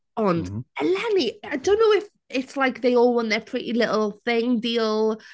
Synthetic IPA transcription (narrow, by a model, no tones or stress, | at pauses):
əndəlɛniajdõʊ̃nːoʊɪf | ɪtslajkðeɪɔlˠə̃nðəpʰɹ̥ɪʔilɪʔl̩ˠθɪ̃ŋdiːlˠ